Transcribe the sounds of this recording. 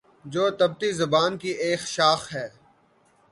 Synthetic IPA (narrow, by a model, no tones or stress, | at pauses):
d͡ʒoːt̪ɐb̚t̪izɐbaːnkiʔeːxʃaːxɦɛː